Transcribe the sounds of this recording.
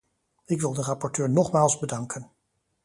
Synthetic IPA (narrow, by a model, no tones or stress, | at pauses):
ɪkʋɪlˠdərɑpɔɹtøːɹnɔχmaːlˠzbədɑŋkən